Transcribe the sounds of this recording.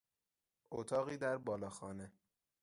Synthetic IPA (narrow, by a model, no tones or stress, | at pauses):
ʔot̪ʰɒːɣiːd̪æɾbɒːlɒːxɒːne